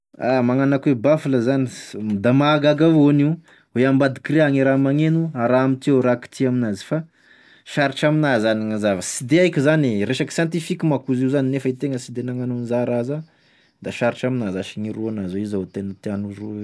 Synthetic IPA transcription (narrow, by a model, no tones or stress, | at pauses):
amaŋanakuwebafuləzanid̪amaɡaɡavoniw | weambad̪ikɾeaŋiɾamaŋenuaɾaamit̪ioɾaki̥t̪iaminazi̥fa | ʃaɾiʈ͡ʂaminazaniŋazavəsid̪eajkʲizaniɾeʃaki̥sjãnt̪ifikimakuziuzaninefəit̪eŋəsid̪enaŋanunzaɾaza | d̪aʃaɾiʈ͡ʂaminazaʃiŋiɾuanazoizaot̪enət̪eanuroe